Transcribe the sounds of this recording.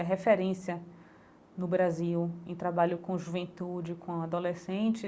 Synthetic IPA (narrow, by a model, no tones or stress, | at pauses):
ɐɦefeɾẽsiɐ | nʊbɾaziwẽt̪ɾabaʎʊkõʒuvẽnt̪ud͡ʒɪkõad̪olesẽt͡ʃɪ